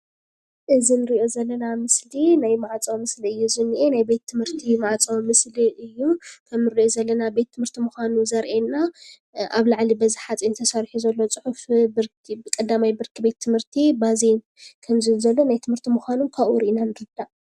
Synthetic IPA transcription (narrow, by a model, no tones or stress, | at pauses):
ʔɨzinɨɾiʔo̞zɐlːɐnamɨslinajmaʕat͡sʼɐwmɨsliɨjːuzɨnːiʔenajbe̞t̪ʰːɨmhɨɾt̪ʰimaʕt͡sʼɐwmɨsliɨjːukʰɐmnɨɾiʔozɐlːɐnabe̞t̪ʰːɨmhɨɾt̪ʰimuxʷanuzɐɾʔenːa | ʔa̰βlaʕlibɐziħat͡sʼinɨt̪ʰɐsaɾħuzɐlːot͡sʼɨħufbɨɾkbɨkʼɐd̪amajbɨɾkʰɨbe̞t̪ʰːɨmhɨɾt̪ʰibazen | kʰɐmzɨzɐlːo̞najt̪ʰɨmhɨɾt̪ʰimuxʷanunkʰaβuɾiʔinanɨɾɨd̪aʔ